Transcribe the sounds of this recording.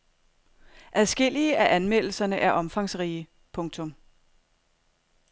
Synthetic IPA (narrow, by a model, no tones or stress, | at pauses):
ʔæðˠsɡ̥e̝l̰iəʔæʔænmel̰l̩sɐnəʔæɐʔɒ̽mfɑ̈ŋsʁiːə | pʰɔ̽ŋt͡sʰɔ̽m